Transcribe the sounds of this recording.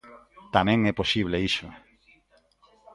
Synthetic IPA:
t̪amɛ̃ŋɛposiβ̞leisʊ

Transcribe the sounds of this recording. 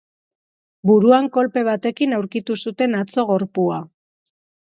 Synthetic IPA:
buɾuaŋko̞lpe̞β̞at̪e̞kinawɾkit̪usut̪e̞nat͡so̞ɣ̞o̞ɾpua

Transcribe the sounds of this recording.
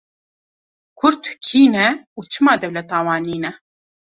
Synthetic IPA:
kʰʊɾt̪kʰiːnɛuːt͡ʃʰɨmɑːd̪ɛwlɛt̪ɑːwɑːniːnɛ

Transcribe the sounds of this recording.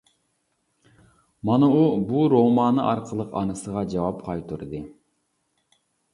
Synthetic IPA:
mɑnuubuɾomɑːnɨʔɑɾqʰəlˠəqɑ̰nɨsəʁɑd͡ʒɑwɑpqʰɑjt̪ʰuɾd̪ɨ

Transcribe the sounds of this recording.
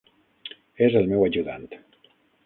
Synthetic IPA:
ezəlˠmɛwəʒuða̰nt̪

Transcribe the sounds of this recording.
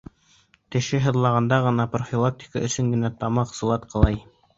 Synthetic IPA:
t̪ɘ̆ʃɘɦɤ̆ðlˠɑʁɑnd̪ɑʁɤ̆nɑprofʲilˠak̚tʲɪ̥ka̰ɵ̆sɵŋɡɘ̆næt̪ɑmɑqsɤ̆lˠɑt̪qʰɤ̆lˠɑj

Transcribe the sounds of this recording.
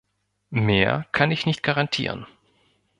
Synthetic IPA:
meːɐkʰanɪçnɪçt̚ɡ̥aʁantʰḭːʁə̰n

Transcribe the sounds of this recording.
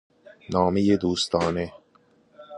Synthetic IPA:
nɒːmejed̪uːst̪ɒːne

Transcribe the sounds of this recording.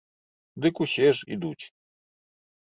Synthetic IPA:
d̪ɨkuɕɛʐḭd̪ut͡ɕ

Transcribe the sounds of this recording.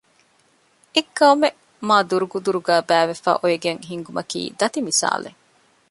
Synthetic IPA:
ekːɐme | maːd̪uɾuɡud̪uɾuɡæːbæːʋefæ̰ːʔojeɡeŋɦiŋɡumʔɐkḭːd̪ɐt̪imisa̰ːlḛ

